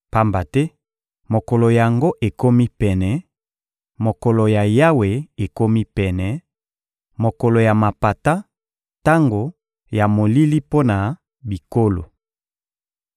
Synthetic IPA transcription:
pa˦mba˨tɛ˦ | mo˨ko˨lo˨ja˨ŋɡo˦ʔe˨ko˦mi˦pɛ˨nɛ˨ | mo˨ko˨lo˨ja˨ja˦we˨e˨ko˦mi˦pɛ˨nɛ˨ | mo˨ko˨lo˨ja˨ma˨pa˨ta˦ | ta˦ŋɡo˨ | ja˨mo˨li˦li˦po˦na˨ | bi˨ko˦lo̰˨

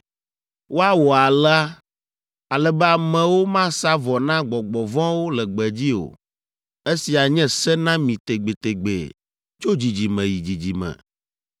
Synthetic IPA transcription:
wo˦a˦wɔ˨a˨lɛ˦a˦ | a˨lɛ˨bɛ˦a˨mɛ̃˨wo˦mã˦sa˦vɔ˨nã˦ɡ͡bɔ˨ɡ͡bɔ˨vɔ̃˦wo˦lɛ˨ɡ͡bɛ˨d͡ʑi˦o̰˨ | e˦si˨a˨ɲɛ̃˦sɛ˦nã˦mĩ˨t̪e˨ɡ͡be˨t̪e˨ɡ͡bḛ˨ | t͡ʃo˦d͡ʑi˨d͡ʑi˨mɛ̃˨ji˨d͡ʑi˨d͡ʑi˨mɛ̰̃˨

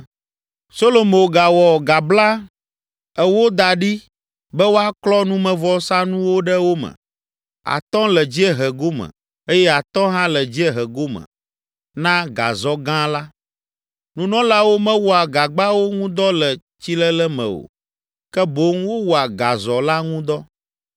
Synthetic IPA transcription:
so˦lo˨mõ˨ɡa˨wɔ˨ɡa˨bla˦ | ɛ˦wo˦d̪a˨ɖi˦ | bɛ˦wo˦a˦klɔ˦nũ˦mɛ̃˨vɔ˦sã˦nũ˦wo˦ɖɛ˦wo˦mə̰̃˨ | a̰˨t̪ɔ̃˦lɛ˨d͡ʑi˦ɛ˦ɦɛ˨ɡo˦mə̰̃˨ | e˦jɛ˦a˨t̪ɔ̃˦ɦã˦lɛ˨d͡ʑi˦ɛ˦ɦɛ˨ɡo˦mə̰̃˨ | nã˦ɡa̰˨zɔ˦ɡã˦la˦ | nũ˦nɔ̃˦la˦wo˦mɛ̃˦wu˦a˨ɡa˨ɡ͡ba˦wo˦ŋũ˦d̪ɔ˦lɛ˨ | t͡ɕi˦lɛ˦lɛ˦mɛ̰̃˨o̰˨ | kɛ˦bo˦ŋwo˦wu˦a˨ɡa˨zɔ˨la˦ŋũ˦d̪ɔ˦

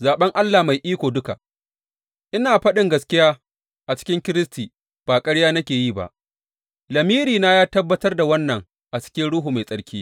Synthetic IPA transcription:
zaː˨ɓɐ˦ŋʔa˦lːaː˨ma˨jʔiː˦kʷoː˨dʊ˦ka̰˨ | ʔɪ˦naː˨ɸɐ˦ɗɪ˨ŋɡɐ˨skʲɪ˦jaː˦ | ʔa˨t͡ʃɪ̥˦kʲɪ˦ŋkʲɪ˦ɾɪ˦stiː˨ | b̥aː˨kʼɐ˦ɽjaː˦nɐ˦kʲeː˨jiː˦ba̰˨ʔ | lɐ˨miː˦ɾiː˨naː˦jaː˦tɐ˦bːɐ˦tɐ˦rda˨wɐ˦nːɐ˨ŋ | ʔa˨t͡ʃɪ̥˦kʲɪ˦nɽʊ˦ɦuː˨ma˨jsʼɐ˦ɽkʲiː˦

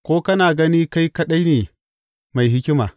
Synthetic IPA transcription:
kʷoː˦kɐ˦naː˨ɡɐ˦niː˦ka˦jkɐ˦ɗɐ˦jneː˨ | ma˨jɦɪ˦kʲɪ˦ma̰ː˨

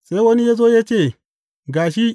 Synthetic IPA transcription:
se˦i˦wo˦ni˦je˦z̬o˦ja˦t͡ʃe˦˨ | ɡaː˨ʃ̬i˦

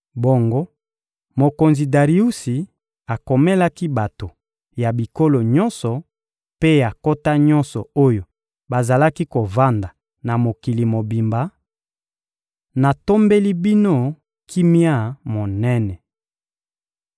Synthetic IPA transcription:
bo˨ŋɡo˦ | mo˨ko˨nzi˨da˨ʁi˨u˦si˨ | a˨ko˨mɛ˦la˦ki˦ba˨to˨ | ja˨bi˨ko˦lo˨ɲɔ˦nsɔ˨ | pe˦a˨ko˦ta˦ɲɔ˦nsɔ̰˨o˦jo˨ | ba˨za˨la˦ki˦ko˨va˦nda˨ | na˨mo˨ki˨li˨mo˨bi˨mba˨˦ | na˨to˦mbe˦li˦bi˦no˦ | kʰi˦mja˦mo˨nɛ˦nɛ˨

